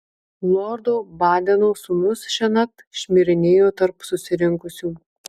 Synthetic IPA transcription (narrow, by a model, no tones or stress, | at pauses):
lˠɔɾd̪oːbɑːd̪ʲɛnoːsʊmʊsʃʲɛnʲɐt̪ | ʃʲmʲɪɾʲɪnʲeːjoːt̪ɐɾpsʊsʲɪɾʲɪŋkʊsʲuː